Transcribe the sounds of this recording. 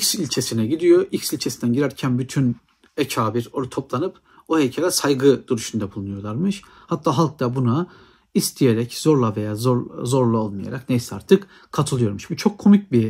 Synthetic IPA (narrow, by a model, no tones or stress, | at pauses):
icsilʲt͡ʃʰe̞sinɛɟid̪ijo̞icsilʲt͡ʃʰe̞sind̪ænɟiɾæɾcʰænbyt̪ʰyn | ecʰaːbiɾoɾt̪ʰo̞plˠanɯp | ohecʰelʲɛsajɡɯd̪̥uɾuʃund̪abulˠunujo̞ɾlˠaɾmɯʃ | hat̪ʰːaːɦalˠk̚t̪ʰabuna | ist̪ʰije̞ɾɛcz̥o̞ɾlˠavejaːzozo̞ɾlˠao̞lˠmaja̰ɾaknejsa̰ɾt̪ʰɯk | kʰat̪ʰɯlˠɯjo̞ɾmuʃbut͡ʃʰo̞kʰːo̞mic̚bi